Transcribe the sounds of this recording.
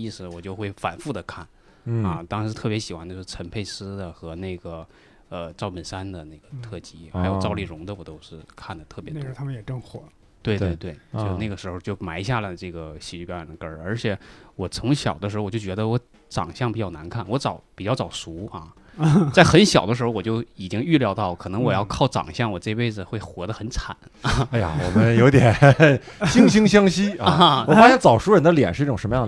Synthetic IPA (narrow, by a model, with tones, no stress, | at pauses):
i˥˩sɹ̩˨˩wɔ˨˩t͡ɕjo˥˧ʊxwe˥˩ɪfa̰˨˩nfu˥˩d̪ə˩kʰa˥˩n | ɐ˧t̪ɑ˥ŋa˧˥ʂɻ̩˥˧t̪ʰɤ˥˩pjɛ˧˥ɕi˨˩xwa˥nd̪t͡ɕjo˥˩ʂɻ̩˥˩ʈ͡ʂʰə˧˥npʰe˥˩ɪsɹ̩˥d̪ə˨xɤ˧˥ne˥˩ɪɡə˩ | ə˧ʈ͡ʂɑ˥˩ʊpmə˨˩nsa˥nd̪ə˨ne˥˩ɡə˩t̪ʰɤ˥˩t͡ɕi˧˥xa˧˥jo˨˩ʈ͡ʂɑ˥˧ʊli˥˩ɻʊ˧˥ŋd̪ə˧wɔ˨˩t̪o˥ʊʂɻ̩˥˧kʰa˥˩nd̪ə˩t̪ʰɤ˥˩pjɛ˧˥t̪ʰmə˧njɛ˨˩ʈ͡ʂɤ˥˩ŋxwɔ̰˨˩˦ | t̪we˥˧ɪt̪e˥˧˩ɪt̪we˥˩ɪt͡ɕo˥˧n˥˩ɡə˩ʂɻ̩˧˥xo˥˧t͡ɕjo˥˩ʊma˧˥ɪ˧ɕ̬ja˥˩lə˨˩ɪʈ͡ʂɤ˥˩ɡə˩ɕi˧˥t͡ɕy˥˩pjjɑ˨˩nd̪ə˦kə˞˥ə˞˧˥t͡ɕʰjɛ˨˩˥wɔ˨˩t͡sʰʊ˧˥ŋɕjɑ̰˨˩ʊd̪ə˦ʂɻ̩˧˥˧wɔ˨˩jo˥˩t͡ɕɥɛ˧˥d̪ə˧wɔ˧˥ | t͡sɑ̰˨˩ŋɕjɑ˥˩ŋpi˨˩t͡ɕjɑ˥˩ʊna˧˥nkʰa˥˩nwɔ˧˥t͡sɑ˨˩˦ʊpi˨˩t͡ɕjɑ˥˩ʊt͡sɑ˨˩ʊsu˧˥ɐ̰˧˩ | t͡sa˥˩ɪxə˧˥nɕjɑ̰˨˩ʊd̪əʂɻ̩˧˥xwɔ˨˩t͡ɕjo˥˩ʊi˨˩t͡ɕi˥ŋy˥˩ljɑ˥˧ʊt̪ɑ˥˩ʊ˩kʰɤ˨˩nɤ˧˥ŋwɔ˨˩jɑ˥˧ʊkʰɑ˥˩ʊʈ͡ʂɑ̰˨˩ŋɕjɑ˥˩ŋwɔ˨˩ʈ͡ʂɤ˥˧i˥pe˥˩ɪd͡zɹ̩˨˩xwe˥˩ɪxwɔ˧˥d̪ə˧xə˧˥nt͡sʰa̰˨˩˦n˩a˥ja̰˨wɔ̰˨˩mə˦njo˧˥ʊt̪jɛ˨˩ | ɕi˥˩ŋɕi˥ŋɕ̬jɑ˥ŋɕi˥˧˥wɔ˨˩fa˥ɕjɛ˥˧nt͡sɑ˨˩ʊʂu˧˥ɻə˧˥nd̪ə˧ljɛ̰˨˩nʂɻ̩˥˧i˥˩ʈ͡ʂʊ˨˩ŋʂə˧˥məjɑ˥˩ŋ˩